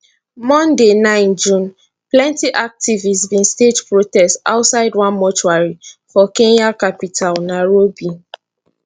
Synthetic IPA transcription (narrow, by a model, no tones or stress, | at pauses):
mɔ̃ndenãɪ̃nd͡ʒũn | plɛ̃ntiʔak̚tivisbĩnsted͡ʒpɹotɛsta̰ʊtsaɪdwãnmɔt͡ʃuaɹifɔkẽnjakapitʰalnaɹobi